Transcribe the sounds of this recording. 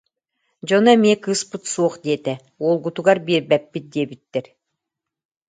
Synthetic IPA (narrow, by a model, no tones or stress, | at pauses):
d͡ʑɔnɛmiɛkɯːspɯt̪suɔχd̪iɛt̪ɛ | uɔlˠɡut̪uɡaɾbiːɾbɛpːit̪̚d̪iɛbit̪ːɛɾ